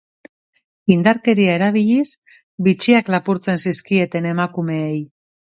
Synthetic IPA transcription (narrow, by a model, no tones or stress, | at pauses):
ind̪aɾke̞ɾiae̞ɾaβ̞iʎis | bit͡ʃiaklapuɾt͡se̞nsiskie̞t̪e̞ne̞makume̞ej